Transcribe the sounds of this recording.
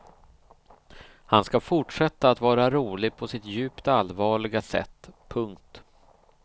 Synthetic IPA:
hanskafʊʈʂɛt̪ːaːt̪vɑːɾaɾuːlɪɡ̚pʰɔsɪt̪jʉ̟ːpt̪alːvɑːɭɪɡasɛ̰t̪ːpʰɵŋkt̪

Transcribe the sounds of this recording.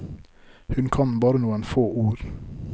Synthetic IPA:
hʉnkʰɑnbɑːɾənuːənfoːʔuːɾ

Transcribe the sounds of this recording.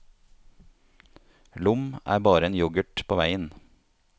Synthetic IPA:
lʊmæ̰ːɾbɑːɾəeːnjʊɡəʈpʰoːʋæɪən

